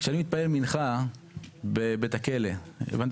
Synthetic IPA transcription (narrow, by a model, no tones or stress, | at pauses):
ʃanimit̪̚paelminχa | bebet̪ake̞leḛvant̪